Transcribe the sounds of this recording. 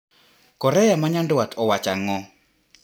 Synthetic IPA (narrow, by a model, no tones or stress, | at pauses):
kɔɾɛjamaɲandwatʰɔwat͡ʃaŋɔ